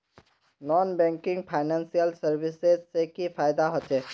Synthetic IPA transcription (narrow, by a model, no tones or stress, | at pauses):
nɔːnbɛ̃ːŋkɪ̃ŋɡ̚pʰaːɪnɛ̃ːnsijəlsəɾbɪsezsekipʰaːɪd̪aɦot͡ʃeː